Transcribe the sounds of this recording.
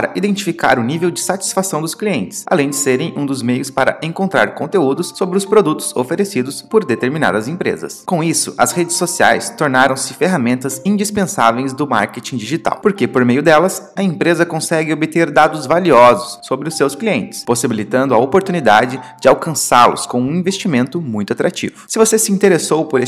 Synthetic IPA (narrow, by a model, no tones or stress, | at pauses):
aɾɐ̰ʔid̪ẽnt͡ʃifika̰ɾʊnivewd͡ʒɪsat͡ʃi̥sfasɐ̃w̃d̪ʊskliẽnt͡ʃɪ̥sa̰lẽj̃d͡ʒɪseɾẽj̃ʔũd̪ʊzmejʊspaɾɐ̰ʔẽŋkõnt̪ɾa̰ɾkõnt̪eud̪ʊsːobɾɪʊspɾod̪ut̪ʊ̥zo̰feɾesid̪ʊspoɾd̪et̪eɾmina̰d̪ɐzẽpɾḛzɐ̰skõw̃isʊ̰ʔɐshed͡ʒɪsːosia̰jst̪oɾnaɾɐ̃w̃sɪfeɦamẽnt̪ɐzĩd͡ʒispẽsavejzd̪ʊma̰ɾket͡ʃĩd͡ʒiʒit̪a̰wpoɾkepoɾmejʊd̪ɛlɐsɐẽpɾezɐkõsɛɡɪobɪt̪eɾd̪ad̪ʊzvaliɔzʊsːobɾɪʊsːewskliẽnt͡ʃɪ̥sposibilit̪ɐ̃nd̪ʊɐopoɾt̪unid̪ad͡ʒɪd͡ʒɪawkɐ̃saɾlʊ̰skõũĩvest͡ʃimẽnt̪ʊmũj̃t̪ʊat̪ɾat͡ʃḭvʊsɪvosesɪĩnt̪eɾesowpoɾe